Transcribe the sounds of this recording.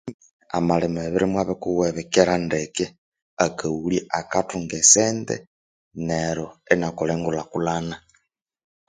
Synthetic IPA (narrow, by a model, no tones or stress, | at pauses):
a̰malemaβiɾimwaβɛkuwɛβɛkɛɾandekɛ | akʰauliʔakatuŋɡɛsɛndɛ̰ | neɾoɛnakolɛŋɡulakulana